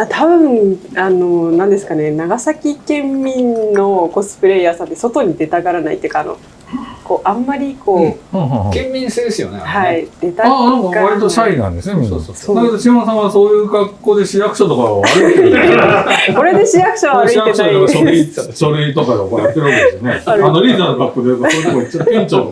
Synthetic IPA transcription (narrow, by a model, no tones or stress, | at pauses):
at̪ʰabɯ̟̃ɴano̞nãnd̪esɨ̥kane̞naɡasakʲikẽ̞mːʲĩnnːo̞ko̞sɨ̥pɯ̟ɾe̞jaːsãnt̪e̞so̞t̪o̞ɲ̟id̪e̞t̪aɡaɾana̰ḭt̪ːeiɯ̟kaːno̰ | ko̞ːʔãmːaɾʲiko̞ːkẽmːʲĩɰ̃sed̪esɨjo̰nehaid̪̥e̞t̪aanãŋkaβaɾit̪oɕainã̰nd̪esoosonaoɕihõs̬ãβaso̞ːjɯːɡakːo̞ːd̪e̞ɕijakɯ̟ɕot̪okaɾaaɾɯie | ko̞ɾe̞d̪e̞ɕijakɯ̟̥ɕaβaaɾɯ̟ijak̪eɕaioɕoɾɯit̪okad̪eokonat̪ːeɯakesɨjoneaɾanoɾʲiːd̪aːnoɡakːoːd̪eɯt̪osnookːit͡ɕːoẽɲt͡ɕo